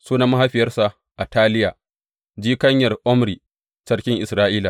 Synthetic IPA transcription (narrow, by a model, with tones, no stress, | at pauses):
suː˦naː˨ma˦ɦa˦ɸɪ˨jɐ˦rsa˨ | ʔa˨taː˦lɪ˦jaː˨ | d͡ʒiː˦kɐ˦ɲjɐ˨rʔɔ˦mɾiː˨ | sɐ˦rkʲɪ˦ŋʔɪ˨sɾaː˦ʔiː˦laː˨